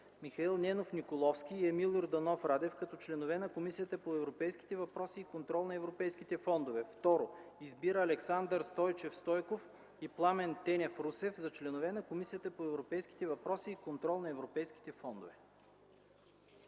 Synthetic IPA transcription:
mixɐilˠnɛnofnikolˠɔfsk̟ʲiːɛmilˠoɾd̪ɐnɔfɾad̪ɛfkɐt̪ɔt͡ʃlɛnovɛnɐkomisijət̪əpoɛvɾopɛjski̥t̪ɛvɐpɾɔsiːkont̪ɾɔlˠnɐɛvɾopɛjsk̟it̪ɛfɔnd̪ovɛft̪ɔɾoizbiɾəːlɛksand̪əɾst̪ɔjt͡ʃɛfst̪ɔjkof | iplˠamɛnt̪ɛnʲɛfɾusɛfzɐt͡ʃlɛnovɛnɐkomisijət̪əpoɛvɾopɛjski̥t̪ɛvɐpɾɔsiːkont̪ɾɔlˠnɐɛvɾopɛjsk̟i̥t̪ɛfɔnd̪o̰vɛ

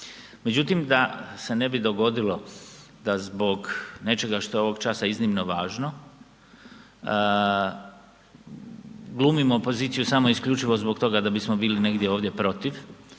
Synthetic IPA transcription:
me̞d͡ʑut̪imd̪ase̞ne̞bid̪o̞ɡo̞d̪ilo̞ | d̪azbo̞ɡne̞t͡ʃe̞ɡaʃt̪o̞jeo̞ʋo̞ɡt͡ʃasaiznimnoʋaːʒno | ɡlˠuːmimoːpo̞ziːt̪sijusamo̞iskʎut͡ʃiʋo̞zbo̞kt̪o̞ɡad̪abismo̞biːline̞ɡd̪ʲje̞o̞ːʋd̪je̞pɾo̞t̪iʋ

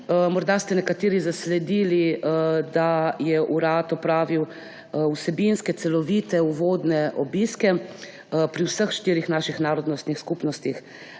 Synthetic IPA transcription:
mɔɾd̪ast̪ɛnɛkat̪iːɾizaslɛd̪iːlid̪ajɛʔuɾaːt̪ɔpɾaːʋiw | usɛbinskɛt̪sɛlɔʋiːt̪ɛuʋoːd̪nɛʔɔbiskɛ | pɾiwsəxʃt̪iːɾixnaːʃixnaːɾɔd̪nɔst̪nixskupnɔst̪ix

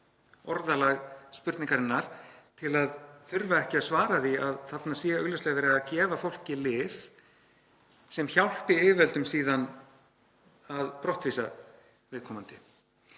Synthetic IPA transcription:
ɔɾðalaɣspʏɾt̪niŋkaɾɪnːaɾ̥t̪ʰɪlaðθʏɾvaɛhcɪaðsvaːɾaθiaðθat̪nḁsiːɣaœɣlɛslɛɣavɛɾɪaðcɛːvafowl̥cɪlɪːf | sɛmçawl̥pɪɪːvɛlt̪ʏmsiːðan | aðpɾɔht̪viːsa | vɪðkʰɔːmant̪ɪ̰

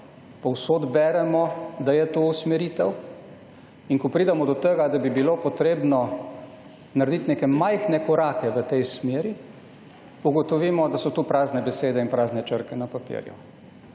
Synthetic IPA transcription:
pɔwsoːd̪bɛːɾɛmɔd̪ajɛt̪ousmɛɾiːt̪ɛw | iŋkɔpɾiːd̪amɔd̪ɔt̪əɡad̪abibilopɔt̪ɾeːbnɔ | naɾed̪it̪nekɛmajxnɛkɔɾaːkɛʋət̪ɛjsmeːɾi | uɡɔt̪ɔʋiːmɔd̪asɔt̪upɾaːznɛbɛseːd̪ɛinpɾaːznɛt͡ʃəɾkɛnapapḭɾjṵ

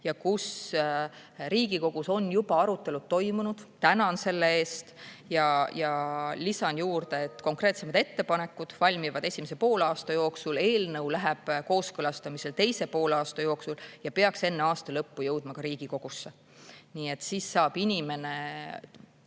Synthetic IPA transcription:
jɑkus | ɾiːɡ̥iko̞ɡ̥uso̞njub̥ɑɑɾut̪ːˑe̞lut̪ːo̞jmunud̪̥t̪ænɑnse̞lːe̞e̞ːst̪jɑjɑlisɑnjuːrd̪e̞et̪ˑko̞ŋkre̞ːt̪se̞mɑd̪e̞t̪ːe̞pɑne̞kːˑud̪̥vɑlʲmivɑd̪̥e̞sʲimesepo̞ːlɑːst̪ɑjo̞ːksule̞ːlnɤwlæɦɛb̥ko̞ːskɤlɑst̪ɑmise̞lt̪e̞jse̞po̞ːlɑːst̪ɑjo̞ːksuljɑpe̞ɑkse̞nːeɑːst̪ɑlɤpːujɤwd̪̥mɑkɑɾiːɡ̥iko̞ɡ̥usːe | niːe̞t̪ːˑsiːsːɑːb̥inʲime̞ne̞

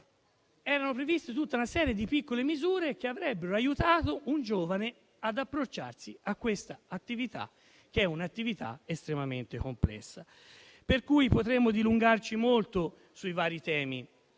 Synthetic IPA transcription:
ɛːɾanopɾevist̪et̪ut̪ːaunasɛːɾjed̪ipikːolemizuːɾek̟eavɾɛbːeɾoajut̪aːt̪ound͡ʒoːvane | ad̪apːɾot͡ʃːa̰rsiakːwest̪aat̪ːivit̪a̰ | k̟eɛunat̪ːivit̪a̰est̪ɾemament̪ekomplɛ̰sːa | peɾkujpot̪ɾemːod̪iluŋɡart͡ʃimolt̪o | suivaːɾit̪ɛːmi

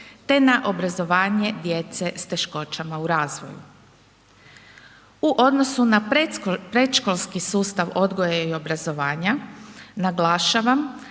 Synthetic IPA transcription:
t̪e̞naʔo̞bɾazo̞ʋaːɲe̞d̪je̞t̪se̞st̪e̞ʃko̞t͡ʃamauɾaːzʋo̞̰jṵ | uʔo̞d̪no̞sunapɾe̞t̪ʃko̞lˠskisuːst̪aʋo̞d̪ɡo̞jeio̞bɾazo̞ʋaːɲanaɡlaːʃaʋam

